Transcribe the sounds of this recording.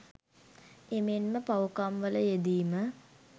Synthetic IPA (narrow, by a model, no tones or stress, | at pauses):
emenməpaukamʋələjed̪iːmə